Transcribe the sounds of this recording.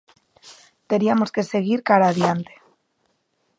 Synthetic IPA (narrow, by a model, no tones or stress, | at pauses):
t̪e̞ɾiamo̞ske̞se̞ɣ̞iɾkaɾaːðjant̪e̥